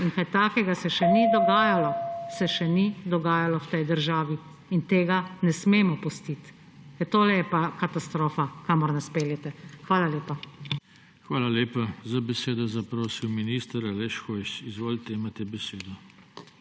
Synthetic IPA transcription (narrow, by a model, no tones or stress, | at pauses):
inkajt̪aːkɛɡasɛʃɛnid̪ɔɡaːjalɔsɛʃɛnid̪ɔɡaːjalɔwt̪ɛjd̪əɾʒaːʋiː | nt̪eːɡanɛsmeːmɔpust̪it̪ | ɛt̪oːlɛjɛpakat̪ast̪ɾoːfakamɔɾnɛspeːljɛt̪ɛxʋaːlaleːpa | xʋaːlaleːpazabɛseːd̪ɔzapɾoːsiwminist̪əɾalɛʃxɔjʃizʋoːlt̪ɛmat̪ɛbɛseːd̪ɔ